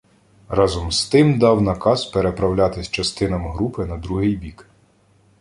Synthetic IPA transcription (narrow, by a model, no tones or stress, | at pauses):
rɑzɔmst̪ɪmd̪ɑwnɐkɑzpeɾepɾɐwlʲat̪ɪsʲt͡ʃɐst̪ɪnɐmɦɾupɪnɐd̪ɾuɦɪjbʲik